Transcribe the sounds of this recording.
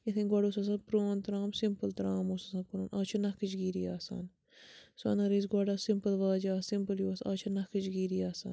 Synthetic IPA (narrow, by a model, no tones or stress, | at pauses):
jɐt̪ʰinɡwɐɖoːsɐs̬ãnpɾoːnt̪ɾaːmsimpəlt̪ɾaːmosɐsɐ̃kuɾɐnʔaːt͡ʃʰɐnɐkɨt͡ʃɡiːɾijaːsa̰ːn | sɐ̰nɐɾiːs̬ɡʷɐɖaːsimpəlʋaːd͡ʒaːsimpəljuːɐsa̰ːt͡ʃʰɐnɐhkɨt͡ʃɡiːɾijaːsa̰ːn